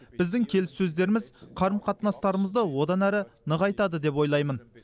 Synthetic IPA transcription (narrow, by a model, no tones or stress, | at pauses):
b̥ɪzd̪ɪŋkʲʰe̞lɪsːɵzd̪e̞ɾɪmɪzqʰɑɾəmqʰɑt̪nɑst̪ɑɾəməzd̪əwo̞d̪ɑnæɾɪnəʁɑjt̪ɑd̪əd̪e̞p̬wo̞jlˠɑjmən